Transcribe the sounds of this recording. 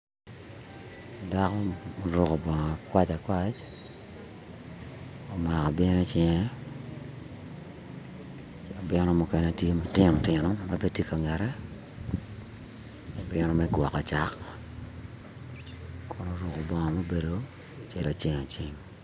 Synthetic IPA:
da˦kɔ˦mo˨ɾʊ˨kɔ˨bɔ˨ŋɔ˨a˨kwa˦t͡ʃa˨kwa˦t͡ʃ | o˨ma˨kɔ˨bɛ˦nɛ˦t͡ʃɪ˦ŋɛ˦ | o˨bɪ˦nɔ˦mʊ˨kɛ˨nɛ˨tje˦mo˨tɪ˦ŋɔ˨tɪ˨nɔ˦ma˦pe˦ti˦ka˨ŋɛ˨ɾɛ˦ | o˨bɪ˦nɔ˦mɛɡwɔ˨kɔ˨t͡ʃa˦k | kʊ˦no˦ɾʊ˨ko˨bɔ˨ŋɔ˨ma˦be˨do˦ | t͡ʃɛ˨la˨t͡ʃɪ˦ŋa˨t͡ʃɪ˦ŋ

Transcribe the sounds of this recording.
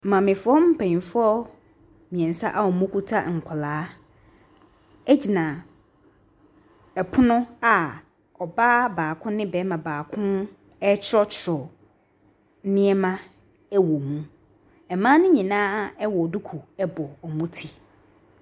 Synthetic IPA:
mã˨mɪ̃˨fɔ˦m̩˦pʰɛ̃˨ɲ˨fɔ˦ | mĩ˨ɛ̃˨n˨sa˦ʔa˦˨ɔ˨mũ˦kʰu˦tʰa˦ŋ̩˨kʰɔ˨laː˦ | ɛ˦d͡ʑi˨nã˨ | ɛ˨pʰʊ˦nʊ̃˦a˨ | ɔ˨baː˦baː˨kʰʊ̃˦nɪ̃˦bɛ˨˦mã˨baː˨kʰʊ̃˦n | ɛ˦t͡ɕʰɪ˦ɾɔ˦t͡ɕʰɪ˨ɾɔ˨ | nɪ̃˦ɛ˦mã˦ | ɛ˦wo˨mũ˦ | ɛ˨mãː˦nʊ̃˦ɲĩ˨nãː˦ɛ˦wɔ˨du˦kʰu˨ɛ˦bɔ˨ɔ˨mũ˦tʰi˨

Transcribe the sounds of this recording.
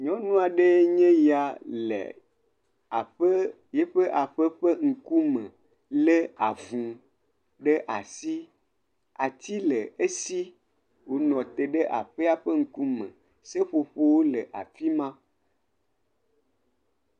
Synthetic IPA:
ɲɔ̃˦nũ˦a˨ɖe˦ɲɛ̃˦ja˨lḛ˨ | a˨ɸə˦ | je˦ɸe˦ʔa˨ɸe˦ɸe˦ŋ̩˨ku˦mə̃˨ | le˦a˨vũ˨ | ɖe˦ʔa˨si˦ | a˨t̪i˦le˨e˦si˦ | wo˨nɔ̃˨t̪e˨ɖe˦ʔa̰˨ɸe˦a˦ɸe˦ŋ̩˦ku˦mɛ̰̃˨ | se˦ɸo˨ɸo˦wo˦lə˨ʔa̰˨fi˦mã˦

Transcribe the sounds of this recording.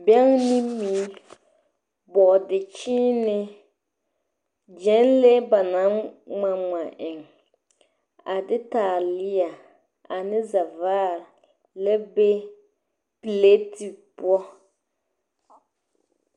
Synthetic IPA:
bɛ˦ŋnɪ˦miː˨˦ | bɔ˨dɪ˨t͡ʃiː˦nɪ˦ | d͡ʒɛ˦nle˦ba˨na˨˦ŋ͡ma˨ŋ͡ma˨ʔɪ˨ŋ | a˨dɪ˦taː˨lɪ˦ja˨ | a˨nɪ˦za˨vaː˦ɾ | lɛ˦be˦ | pi˨le˦ti˨pu˦ɔ˦

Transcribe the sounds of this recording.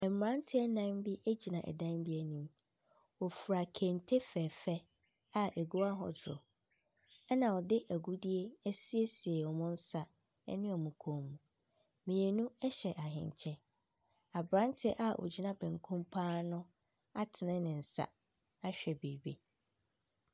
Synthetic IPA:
ɛ˨mm˨ɾã˦ntʰɪ˦ɛ˦nã˦m˦bi˦ʔæ˦d͡ʑi˨nã˨ʔɛ̰˨dã˦mbi˦ɛ˨nĩ˦˨m | ɔ˨fɾa˨kʰɛ̃˨n˦tʰe˦fɛː˨fɛ˦ | a˦æ˨ɡu˦a˦ɦɔ̰˨dɾɔ˨ | ɛ˦nã˨ɔ˨dɪ˦ʔæ˨ɡu˦di˦e˦ɛ˦si˦e˦si˨e˨ɔ˨mʊ̃˦n̩˦sa˦ | ɛ̰˦nɪ̃˦ɔ˨mũ˨kʰõ˨mũ˨ | mĩ˨e˨nũ˦ɛ˦ɕɛ˨ʔa˨ɦɪ̰̃˨ɲ˨t͡ɕʰɛ˦ | a˨bɾã˦n˦tʰɪ˦ʔa˦ʔɔ̰˨d͡ʑi˦nã˦bɛ̃˨ŋkʰũ˦mpʰaː˦nʊ̃˦ | a˦tʰɪ˨nɪ̃˦nɪ̃˨n̩˨sa̰˦ | a˦ɕᶣɛ˨beː˨be˦

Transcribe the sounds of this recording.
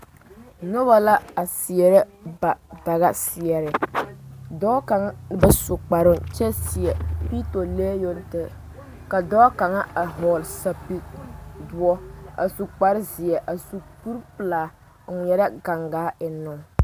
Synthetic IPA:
nʊ˦ba˨la˦a˨si˨ɛ˨ɾɛ˦ba˨da˨ɣa˦si˨ɛ˨ɾɪ˨ | dɔː˦ka˨ŋa˦bɨ˦su˨k͡pa˨ɾɪ˦nt͡ʃɛ˦si˨ɛ˨pi˦to˨leː˦jo˦ntɪ˦ | ka˨dɔː˦ka˨ŋa˦a˨ɦɔ˨lsa˦pi˦dʊ˦ɔ˦a̰˨su˨k͡pa˨ɾɪ˦zi˨ɛ˨ʔa˨su˨pu˦ɾpɨ˨laː˨ | ŋ̩˨˦˨ɛ˨ɾa˦ɡa˨ŋɡaː˨˦ɪ˨nʊ˦˨ŋ

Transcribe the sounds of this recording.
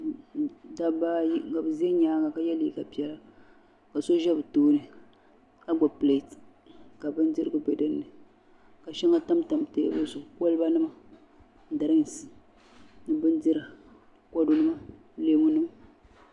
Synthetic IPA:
da˦ba˦jka˨bɨ˨zi˦ɛ˦ɲaː˦ŋa˨ka˦jɛ˦li˨˦˨ka˨pi˨˦ɛ˦la˦ | ka˨so˦ʒɛ˦bɨ˨toː˦nɨ˨ | ka˦ɡ͡bɔ˨ple˨t | ka˨bɨ˦n˦dɨ˦ɾɨ˦ɡɨ˨bɛ˨dɨ˦nːɨ˨ | ka˨ʃɛ˦ŋa˦ta˦mta˨m˨tḛ˦bɨ˦sʊ˨ko˦lɨ˦ba˦nɨ˦ma˨˦ | da˨ɾɨ˦ŋ˨s | nɨ˦bɨ˦ndi˦ɾa˨ | kɔ˦do˦nɨ˦ma˦ | leː˦mu˦nɨ˦ma˦

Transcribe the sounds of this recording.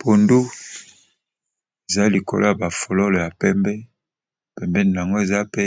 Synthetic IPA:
pʰo˨ndu˦ | e˨za˦li˨ko̰˨lo̰˦ja˨ba˨fo˨lo˦lo˨ja˨pɛ˦mbɛ˦ | pɛ˨mbɛ˦ni˨n˨a˨ŋɡo˦e˨za˦pe˦

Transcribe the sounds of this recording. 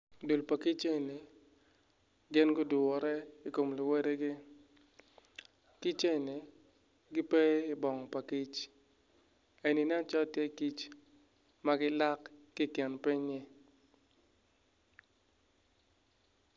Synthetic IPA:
du˨lpa˨ki˦t͡ʃe˦˨nɪ˨ | ɡɪ˦nɡʊ˦dʊ˨ɔ˨ɾɛ˦i˨ko˨mlʊ˨we˦ɾe˦ɡɪ˦ | ki˦t͡ʃe˦˨nɪ˨ | ɡɪ˦pe˦i˨bɔ˨ŋɔ˨pa˨ki˦t͡ʃ | e˨ni˨n˦a˦t͡ʃɔ˦tje˦˨ki˦t͡ʃ | ma˦ɡɪ˦la˦kː | i˦˨kɛ˨npi˦ɲːɪ˦

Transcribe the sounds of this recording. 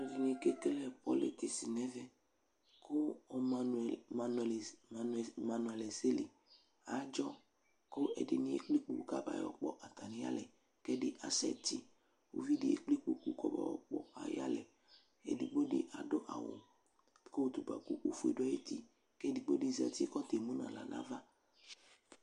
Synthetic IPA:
a˨vi˨ni˨ke˦ke˦lɛ˨pɔ˦le˨ke˨si˨nɛ˦vɛ˦ | kʰʊ˦˨ | ma˨n˨l | ma˨nu˨ɛ˨lɛ˨ze˦li˨ | a˨˦d͡ʒɔ˦ | ko˦ʔɛ˨dɪ˨nĩ˨ḛ˦k͡pli˦k͡pu˦ka˦ba̰˨jɔ˨k͡pɔ˨ʔa˨t̪a˨ni˨ja̰˦lɛ˨ | kɛ˦dɪ˦ʔa˨sɛ˨ti˦ | wo̰˦vi˦di˨ḛ˦k͡pli˦k͡pu˦ku˦kɔ˦ba̰˨ɔ˨k͡pɔ˨a̰˨ja˦lɛ˨ | ɛ̰˨di˨ɡ͡bo˦dɪ̰˦ʔa˨do˦ʔa˨wo̰˨ | ko˦˨t̪u˨ɡ͡ba̰˨ku˦ʔo˦fu˦ḛ˨dɔ˦e˦t̪i˦ | kɛ˦di˨ɡ͡bo˦di˦zɛ̰˨t̪i˦kɔ˦t̪e˨mũ˦nã̰˨la˨na̰˦va˦

